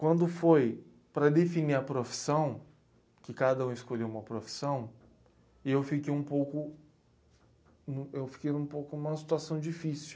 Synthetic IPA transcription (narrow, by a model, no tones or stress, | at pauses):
kwɐ̃nd̪ʊfoj | pɾɐd̪efiniɾɐpɾofi̥sɐ̃w̃ | kɪkad̪ɐũɪskoʎewũmɐpɾofi̥sɐ̃w̃ | ewfikejũpowkʊ | nũewfi̥kejnũpowkʊnũmɐsi̥t̪uasɐ̃w̃d͡ʒifisiʊ̥